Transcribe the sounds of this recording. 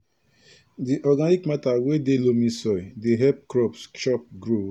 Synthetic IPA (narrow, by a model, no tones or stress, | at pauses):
diʔɔɡanikmatawedelomĩsɔdeɦɛp̚kɹɔpsʃɔp̚ɡɹo